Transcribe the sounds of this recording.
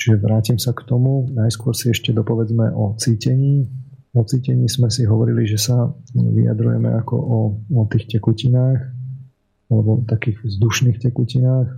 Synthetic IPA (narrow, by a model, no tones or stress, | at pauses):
t͡ʃiʒɛʋɾaːcimsakt̪ɔmunajskʊɔɾsiɛʃcɛd̪ɔpɔʋɛd͡zmɛʔɔt͡siːcɛɲiː | ɔt͡siːcɛɲiːsmɛsiɦɔʋɔɾiliʒɛsaʋḭa̰d̪ɾujɛ̰mɛ̰akɔ̰ʔɔɔt̪iːxcɛkucinaːx | alɛbɔt̪akiːɣvzd̪uʃniːxcɛkucinaːx